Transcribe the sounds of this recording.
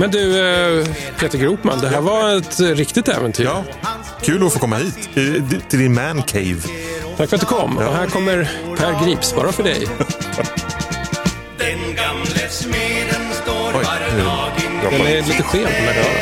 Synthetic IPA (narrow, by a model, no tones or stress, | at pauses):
mɛnd̪ɵ | pʰeːt̪əɾɡɾuːpma̰nd̪ɛɦæːɾvaɛt̪ɾɪkt̪ɪɡ̚t̪ɛ̰ːvənt̪ʰy̰ːɑː | kʰʉ̟ːlɔfoːkʰɔmːahiːt̪t̪ʰɪld̪ɪnmænkʰɛɪvt̪ʰakfɾt̪d̪ɵkʰɔmːɔ̰ɦæːɾkʰɔmːəɾpʰæɾɡɾiːpsbɑ̰ːɾafœɖɛ̰j | d̪ɛɡmlmeɾnt̪ːɔjæɾd̪ɛnɛliːt̪əɧeːlmɛd̪ɛæ̰ɾ̰